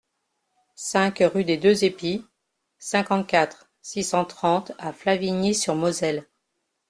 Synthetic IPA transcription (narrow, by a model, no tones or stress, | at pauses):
sɛ̃kʁyd̪ed̪øzepi | sɛ̃kɑ̃t̪̚kʲat̪χ | sisɑ̃t̪χɑ̃t̪aflaviɲisyʁmɔzɛl